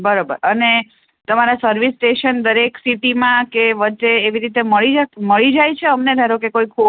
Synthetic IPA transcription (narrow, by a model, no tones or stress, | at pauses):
bəɾobə̰ɾəne | t̪əmaɾasəɾʋisʈeʃənd̪əɾeksiʈimãkeʋəːt͡ʃeːʋiɾit̪eməɭid͡ʒaməɭid͡ʒajt͡ʃʰeəmned̪ʱaɾõkekoikʰːu